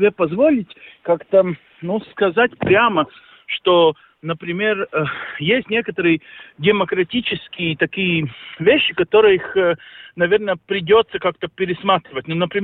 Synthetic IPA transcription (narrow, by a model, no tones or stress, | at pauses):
bʲepɐzvolʲɪtʲkakt̪ə | nuskɐzatʲpɾʲamə | ʂt̪o | nəpɾʲɪmʲerəjesʲtʲnʲe̞kət̪əɾɨjədʲɪməkɾɐtʲit͡ɕɪskʲɪjət̪ɐkʲijəvʲeɕːɪkɐt̪oɾɨjəixənɐvʲe̞rnəəpɾʲɪdʲo̞t̪səkak̚t̪əpʲɪɾʲɪsmat̪ɾʲɪvətʲnonəpɾʲɪ